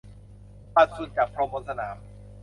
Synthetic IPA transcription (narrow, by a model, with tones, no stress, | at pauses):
pa˨˩t̪̚su˨˩t̪̚t͡ɕaː˨˩k̚pʰɾo˧mboː˧˦nsa˧na̰ː˩˦m